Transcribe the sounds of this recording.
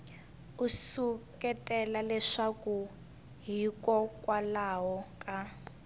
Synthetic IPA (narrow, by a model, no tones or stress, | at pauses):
usukɛtɛlalɛʂaku | ɦikɔkwalaɦɔkʼa